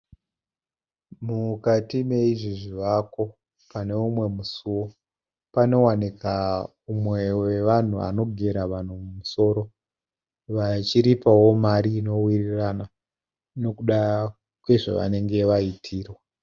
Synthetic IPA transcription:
mukatime̞iʐiʐiʋako̞ | pane̞umwe̞musuwo̞ | pano̞wanika | umwe̞we̞ʋan̤ua̰no̞ɡʱe̞ɾaʋan̤umumuso̞ɾo̞ | ʋat͡ʃiɾipawo̞maɾiːno̞wirirana | no̞kuɗa | kwe̞ʐa̰ʋa̰ne̞ŋɡe̞ʋaitʰiːrwa

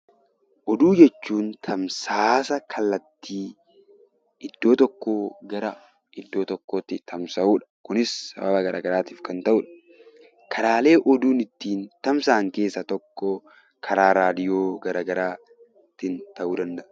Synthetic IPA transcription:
ʔɔd̪uːd͡ʒɛt͡ʃːuːnt̪ʰɐmsaːsɐkʰɐlːɐt̪ːiː | ɪd̪ːo̞ːt̪ɔkːoːɡɐɾɐ | ʔɪd̪ːoːt̪ɔkːoːt̪ːɪt̪ʰɐmsɐʔuːᶑɐ̥kʊnɪsːɐ̰bɐbɐɡɐɾʔa̰ːɡɐɾaːt̪iːfkɐnt̪ɐʔuːᶑɐ̥ | kʰɐɾaːle̞ːʔɔd̪uːnɪt̪ːiːnt̪ɐmsaːŋke̞ːsːɐt̪ɔkːɔ | kʰɐɾaːɾaːd̪ɪjo̞ːɡɐɾaːɡɐɾaː | t̪ːɪnt̪ɐʔuːd̪ɐnd̪ɐʔɐ̥

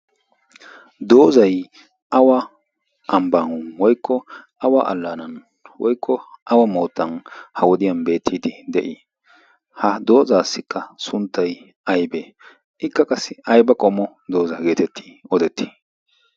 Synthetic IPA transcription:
d̪o̞ːzɐj | ʔɐwɐ | ʔɐmbɐnwɔjkʰːɔʔɐwaʔɐ̰lːaːnɐn | wɔjkːɔʔɐwɐmo̞ːt̪ːɐnhɐwɔd̪ɪjɐnbe̞ːt̪ʰːiːd̪ɪd̪ɛʔɪ | hɐd̪o̞ːzaːsːɪkːɐsʊnt̪ːɐj | ʔɐjbeː | ʔɪkːɐkʼɐsɪɐjbɐkʼɔmɔ | d̪o̞ːzɐɡe̞ːt̪ɛt̪ːɪ̥ɔd̪ɛt̪ːi̥

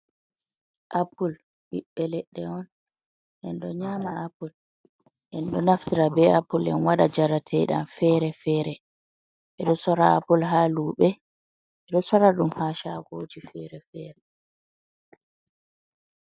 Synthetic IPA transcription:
ʔapul | ɓiɓːɛlɛɗːɛɔn | ʔɛnɗɔɲaːmaapul | ʔɛnɗɔnaftiɾabɛapːulɛ̰nwaɗad͡ʒaɾatʰɛɗa̰mfɛɾɛfɛːɾɛ | ʔɛɗɔsɔɾaapulɦaːluːɓɛ | ɛɗɔsɔɾaɗumhaːʃaɡod͡ʒifɛɾɛfɛːɾɛ

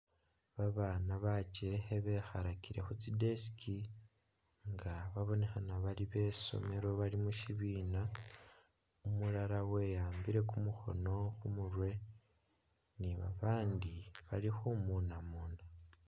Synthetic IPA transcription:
βaβaːnaβat͡ʃeeβe̞xaɾakiɾe̞xut͡sideskʰi | ŋɡaβaβo̞ne̞xanaβaliβe̞ːso̞̰me̞ɾo̞βalimuʃiβiːna | umulaɾawe̞jaːmbiɾe̞kumuxo̞̰no̞xumuɾwe̞ | niβa̰βaːndiβalixumuːnamuːna

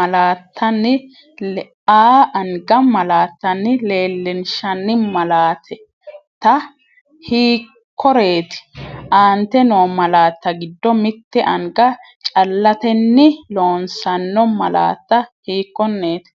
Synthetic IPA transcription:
ɐlaːt̪ʰːɐnːɪ | aːʔɐŋɡɐmɐlaːt̪ːɐnːɪle̞ːlːɪnʃɐnːɪmɐlaːt̪ʰɛ | t̪ɐ | hiː | kʰːɔɾe̞ːt̪ɪ̥ʔaːnt̪ːɛnoːmɐlaːt̪ːɐɡɪd̪ːɔmɪt̪ːɛʔɐŋɡɐ | t͡ʃʼɐlːɐt̪ɛnːɪlo̞ːnsɐnːɔmɐla̰ːt̪ːɐhiːkːɔnːe̞ːt̪ɪ̥

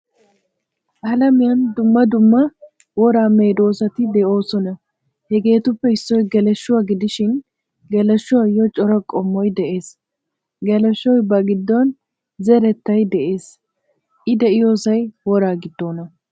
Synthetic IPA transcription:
ʔɐlɐmɪjɐnd̪ʊmːɐd̪ʊmːɐ | wɔɾaːme̞ːd̪o̞ːsɐt̪ɪd̪ɛʔo̞ːsɔnɐ | hɛɡe̞ːt̪ʊpːɛɪsːɔjɡɛlɛʃːʊwaɡɪd̪ɪʃɪn | ɡɛlɛʃːʊwɐjɔt͡ʃʼɔɾɐkʼɔmːɔjd̪ɛʔe̞ːs | ɡɛlɛʃːɔjbɐɡɪd̪ːɔn | zɛɾɛt̪ːɐjd̪ɛʔe̞ːs | ʔɪd̪ɛʔɪjo̞ːsɐjwɔɾaːɡɪd̪ːoːnɐ

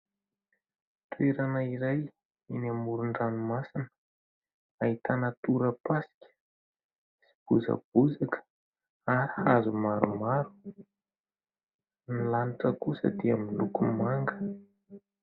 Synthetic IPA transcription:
t̪ueɾanəiɾaj | inamuɾuɳɖ͡ʐanumasinə̥ | ait̪anət̪uɾəpasi̥kʲə̥ | si̥b̥uzə̰b̥uzakə̥ | aɾihazumaɾumaɾu̥ | nilaniʈ͡ʂəkusə̰d̪iamilukumaŋɡə

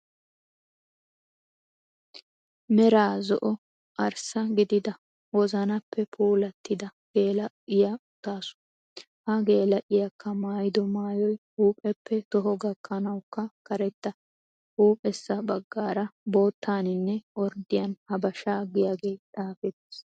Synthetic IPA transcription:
mɛɾaːzɔ̰ʔɔ | ɐɾsɐɡɪd̪ɪd̪ɐ | wɔzɐnɐpʰːɛpʰuːlɐt̪ːɪd̪ɐ | ɡ̥e̞ːlɐ | ɪjɐʊt̪ːaːsʊ̥ | hɐɡe̞ːlɐʔɪjɐkʰːɐmaːjɪd̪ɔmaːjɔj | uːpʼɛpːɛt̪ɔɦɔɡɐkʰːɐnɐwkːɐkɐɾɛt̪ːɐ | uːpʼɛsːɐbɐɡːaːɾɐbo̞ːt̪ːaːnɪnːɛwɔɾd̪ɪjɐnhɐbɐʃaːɡɪjaːɡe̞ːᶑ̪ʼaːfɛt̪ːɪs

